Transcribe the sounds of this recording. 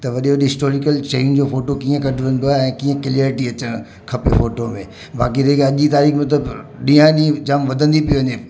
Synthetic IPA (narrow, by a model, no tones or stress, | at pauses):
t̪ɐʋɐɗioɗɪsʈoːɾɪkəlʃeind͡ʑoːfoːʈokiːə̃kɐʈʰʋə̃n̆d̪oaːɦeɛ̃ːkiːə̃kɪlaːɾɪʈiɐt͡ɕəɽ̃ | kʰɐpefoːʈomḛ̃ | ba̰ːkiɾekɐʄit̪aːɾiːxmɐt̪ləbɗĩːãɗĩd͡ʑaːmʋɐd̪ʱə̃nd̪ipijoʋɐɲe